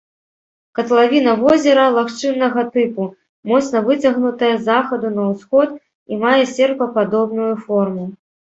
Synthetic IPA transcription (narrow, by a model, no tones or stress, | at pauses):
kɐt̪lˠavʲin̪ɐvɔzʲɛɾɐlˠaxt͡ʂɨnːɐɣɐt̪ɨpu | mɔt̪snɐvɨt͡sʲaɣnut̪ɐjɐzaxɐd̪unɐwsxɔt̪ | imajɛsʲɛrpɐpad̪ɔbnujufɔrmu